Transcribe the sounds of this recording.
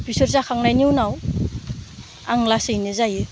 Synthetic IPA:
pisɔɾzakʰaŋnajniwnaw | aŋlasɯjnɯzajɯ

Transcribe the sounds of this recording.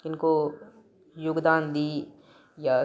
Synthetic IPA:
ɪnko | jʊɡd̪aːnd̪iː | ja

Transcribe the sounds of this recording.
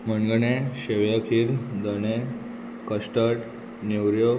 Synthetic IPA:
məɳɡɳẽɕeʋjakʰiːɾd̪əñẽ | kəsʈəʈ | newɾjo

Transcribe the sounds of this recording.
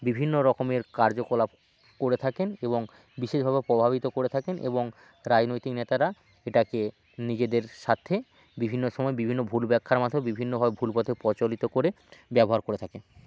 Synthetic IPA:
bibʱinːoɾɔkomeɾkaɾd͡ʑokolab | koɾet̪ʰakeneboŋ | biʃeʃbʱabepɾobʱaβit̪okoɾet̪ʰakenʔḛboŋ | ɾad͡ʑnojt̪iknet̪aɾa | eʈake | nid͡ʑed̪eɾʃat̪ʰːe | bibʱinːoʃɔmɔebibʱinːobʱulbɛkʰːaɾmad̪ʰʱomebibʱinːobʱabebʱulpɔt̪ʰepɔt͡ɕolit̪okoɾe | bɛboɦaɾkoɾet̪ʰaken

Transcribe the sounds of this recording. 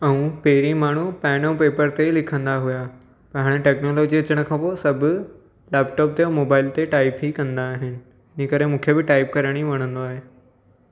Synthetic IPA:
ɐũpeːɾimaːɳ̤upɛːnõpeːpəɾt̪elɪkʰə̃nd̪aɦʊja | pɐ̃ɦɪɽ̃ʈɛːknoːloːd͡ʑiɐt͡ɕəɽ̃ə̆kʰãːposɐbʱʊ | lɛːpʈɔːp̚t̪eomoːbaːɪlt̪eʈaːɪpɦikɐ̃nd̪aːɦɪnɪ̆ | ɪnikɐɾemũːkʰebɪʈaːɪpkɐɾəɽ̃iʋɐɽ̃ə̃nd̪oaːɦeː

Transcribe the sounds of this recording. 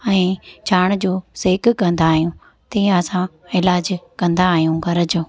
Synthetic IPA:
ɛ̃ːd͡ʑʰaːɽ̃d͡ʑoːseːkkɐ̃nd̪aːɦijũ | t̪ĩːɐsã | ɪlaːd͡ʑkɐ̃nd̪aːɦijũɡʱɐɾəd͡ʑo

